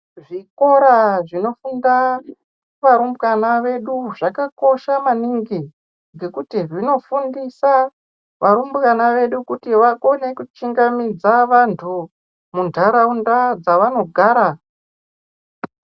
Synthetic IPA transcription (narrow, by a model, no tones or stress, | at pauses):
ʐiko̞ɾaʐino̞funda | ʋaɾumbɣanaʋe̞ɗuʐakako̞ʃamaniŋɡi | ŋɡe̞kutiʐino̞fundisa | ʋaɾumbɣanaʋe̞ɗukutiʋako̞ne̞kut͡ʃiŋɡamid͡zaʋantʰu | mundʱaɾaundad͡zaʋano̞ɡʱaːɾa